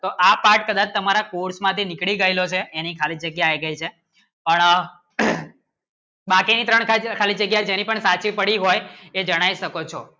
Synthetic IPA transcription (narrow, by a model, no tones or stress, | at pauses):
t̪oʔapaɾʈ̚kəd̪at͡ʃt̪əmaɾakuɾsmãt̪ʰinɪkɭiɡəilot͡ʃʰeːnikʰalid͡ʒəɡjaːjɡəit͡ʃʰe | pəɳ | bakinit̪ɾəɳkʰakʰalid͡ʒəɡjad͡ʒenipəɳsat͡ʃipəɽiɦojed͡ʒəɽ̃aiʃəkot͡ʃʰo